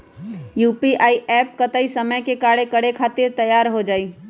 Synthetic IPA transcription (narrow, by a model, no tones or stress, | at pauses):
juːpiʔaːiʔɛːp̚kɐt̪aːisɐməjkekaːɽekɐɽekʰaːt̪ɪɾt̪ɐjaːɾɦod͡ʒaːiː